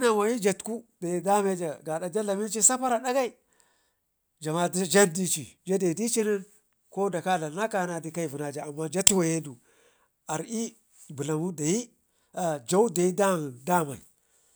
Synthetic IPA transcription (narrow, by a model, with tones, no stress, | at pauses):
na˨wa˨ji˦d͡ʒa˨tku˦da˨i˦da˦me˦d͡ʒa˨ɡa˨da˨d͡ʒa˦la˨mi˦n˦t͡ʃi˦sa˦pa˦ɾa˨da˦ɡa˦i˨ | d͡ʒa˨ma˦dd͡ʒa˦ndi˦t͡ʃi˨d͡ʒa˦da˨i˨di˦t͡ʃi˦ni˦n | ko˦da˨ka˦la˨˦na˦ka˦na˨di˨˦ka˦i˨vu˨na˨d͡ʒa˨a˨mːa˦d͡ʒa˦tu˦wa˨je˦du˨ | a˨ɾi˦ | bu˨la˨mu˦da˨ji˦ | a˨d͡ʒa˦u˦da˨i˦da˦˨nda˦ma̰˨